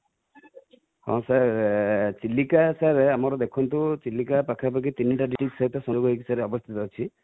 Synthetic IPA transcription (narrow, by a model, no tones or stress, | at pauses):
hɔ̰̃sa | t͡ʃilːikasaɾeamɔɾɔd̪ekʰɔnt̪ut͡ʃilːikapakʰap̬ak̬it̪iniʈaɖiʈiksait̪ɔsɔd͡ʒoɡɔɦekisaɾeɔbɔst̪ʰit̪ɔɦot͡ʃʰi